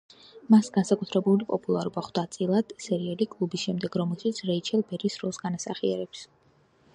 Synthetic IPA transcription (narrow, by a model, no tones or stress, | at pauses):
masɡansakʼut̪ʰɾɛbulipʼɔpʼulˠaɾubaχd̪at̪sʼilˠad̪̥sɛɾialikʼlˠubisʃɛmd̪ɛɡɾɔmɛlˠʃit̪sʰɾɛit͡ʃʰɛlˠbɛɾisɾɔlˠsɡanasa̰χiɛ̰ɾɛps